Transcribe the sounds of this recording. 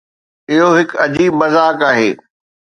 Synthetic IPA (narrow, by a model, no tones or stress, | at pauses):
ɪɦoɦɪkɐd͡ʑiːbmɐzaːkaːɦḛː